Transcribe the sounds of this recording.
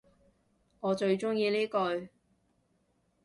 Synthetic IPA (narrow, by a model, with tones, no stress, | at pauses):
ŋɔː˨˧t͡ʃɵ˧ɥt͡ʃʊ˥ŋjiː˧liː˥kɵ˧ɥ